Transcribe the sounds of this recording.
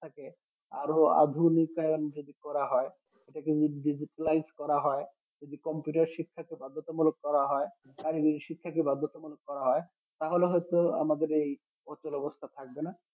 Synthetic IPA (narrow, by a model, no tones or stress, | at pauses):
t̪ʰake | a̰ɾoa̰d̪ʱunikajond͡ʑod̪ikɔɾaɦɔe | eʈakeɖid͡ʑiʈalajzkɔɾaɦɔe | d͡ʒod̪ikɔmpjuʈaɾʃikʰːakebad̪ʱːot̪omuloɡ̚kɔɾaɦɔe | kaɾiɡiiʃikʰːakebad̪ʱːot̪omuloɡ̚kɔɾaɦɔe | t̪aɦoleɦɔjet̪oa̰mad̪eɾej | ɔt͡ɕːolɔbost̪ʰat̪ʰak̚bena